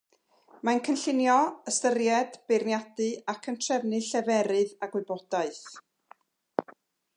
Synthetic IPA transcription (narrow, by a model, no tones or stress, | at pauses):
mankʰənɬɪnjɔəstərjɛdb̥ɪrnjadɨakʰəntʰrɛvnɨɬɛvɛɾɨðaɡwɨbɔd̥aɨθ